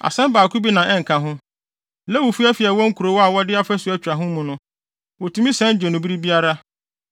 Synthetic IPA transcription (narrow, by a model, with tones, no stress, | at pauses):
a̰˨sɛ̃˦m˦baː˨kʰu˦bi˦nã˨ʔɛ˦ŋ̩˨kʰã˨ɦʊ̃˦ | lɛ˦wo˨fu˦ɛ˦fi˨ɛ˨wɔ̃˦ŋ̩˦kʰu˨ɾo˨˦wɔ˦a˨wɔ˦dɪ˦a˦fæ˦su˨˦ɛ˦t͡ɕᶣɾa˨ɦʊ̃˦mũ˨nʊ̃˦ | wo˨tʰu˦mĩ˦sɛ̃˦n˦d͡ʑɛ˨nʊ̃˨bi˦ɾi˦bi˦a˦ɾa˦